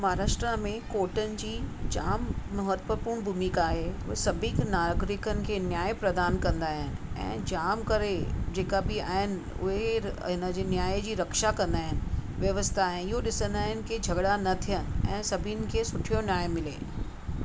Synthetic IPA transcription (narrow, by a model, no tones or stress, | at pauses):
maɾaːʃʈɾamẽkoːɾʈənɪ̆d͡ʑiːd͡ʑaːmmɐɦət̪ʋəpuːɾɳ̃bʱumiːkaːɦe | sɐbʱiknaːɡɾɪkənɪ̆kʰeːnjaːjpɾɐd̪aːnkɐ̃nd̪aːɦɪnɪ̆ɛ̰̃ːd͡ʑaːmkɐɾed͡ʑeːkabɪa̰ːɦɪnɪ̆ | ʊ̰ɦeɦɪnə̆d͡ʑeːnjaːjd͡ʑiːɾɐkʃakɐ̃nd̪aːɦɪnɪ̆ʋjɐʋəst̪ʰaːɦɪnɪɦoɗɪsə̃nd̪aːɦɪnɪ̆kid͡ʑʱɐɡɽanɐt̪ʰijənɪ̆ɛ̃ːsɐbʱinɪ̆kʰeːsʊʈʰijonjaːjmɪlḛː